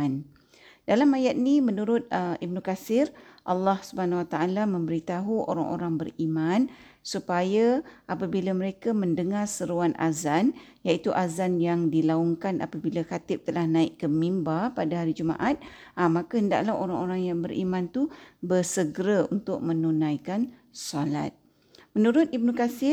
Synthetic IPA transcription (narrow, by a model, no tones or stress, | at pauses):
n | d̥alamajat̪̚nimənuɾʊt̪̚əib̚nukasɪrʔa̰lːɑhsubəhanawat̪aʔalamə̃mbəɾit̪aɦuʔo̰ɾaŋʔo̰ɾaŋbəɾimãn | supajaʔapabilaməɾekaməndəŋarsəɾuanʔa̰zanjait̪uʔazanjaŋdilaɔŋkanʔa̰pabilakat̪ɪp̚t̪əlahnãɪʔkəmimbapadaɦaɾid͡ʒuma̰ʔat̪̚amːãkahənda̰ʔlahoɾaŋoɾaŋjaŋbəɾʔḭmãnt̪ubərsəɡɾaunt̪ʊk̚mə̃nunãjkan | sɔla̰t̪̚ | mənuɾʊt̪̚ibnəkasɪ